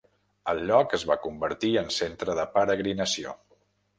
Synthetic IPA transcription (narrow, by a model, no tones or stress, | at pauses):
əlˠʎɔkəzβakumbəɾt̪iənsent̪ɾəðəpəɾəɣɾinəsio̰